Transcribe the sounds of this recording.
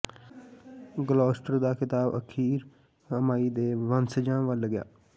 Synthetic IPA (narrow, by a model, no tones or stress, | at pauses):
ɡəloːsʈəɾd̪aːkɪt̪aːbə̰kʰiːɾ | əmaːiːd̪eːʋənsəd͡ʒãːʋəlːəɡja̰ː